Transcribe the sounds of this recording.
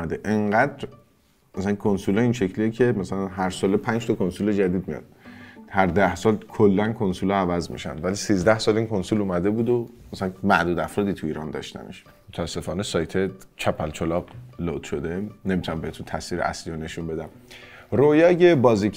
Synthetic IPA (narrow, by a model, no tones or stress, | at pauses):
æd̪eʔeɴɡæd̪ɾ | mæsænkʰo̞nsulɒinʃe̞cʰliecʰe̞mæsælænɦæɾsɒːlepʰæɲd͡ʒt̪ʰɒko̞nsule̞d͡ʒæd̪iːd̪̚mijɒ̰d̪̥hæɾd̪æhsɒːlkʰolːænkʰonsulɒævæzmḭʃæ̰nd̪væliːsiːzd̪æhsɒːliːnkʰonsulumæd̪e̞buːd̪omæsælænmæʔd̪uːd̪æfɾɒːd̪it̪ʰuiːɾɒ̰ːnd̪ɒ̰ʃt̪æ̰ne̞̰ʃ | mot̪ʰæsːe̞fɒːne̞sɒːjt̪ʰet͡ʃʰæpʰælt͡ʃʰolɒːblo̰t̪ʰʃod̪e̞nemit̪ʰunæmbehet̪ʰuntʰæsiːɾḛæ̰slijone̞ʃunbe̞d̪æm | ɾoːjɒːjebɒːzikʰ